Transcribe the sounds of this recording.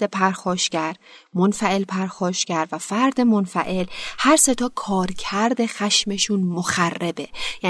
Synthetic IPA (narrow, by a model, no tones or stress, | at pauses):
epʰæɾxɒːʃcæɾmonfæʔe̞lpʰæɾxɒːʃcæɾvæfæɾd̪emonfæ̰ʔe̞lhæɾse̞t̪ʰɒːkʰɒːɾcʰæɾd̪e̞xæʃme̞ʃunmoxærːebe̞jæ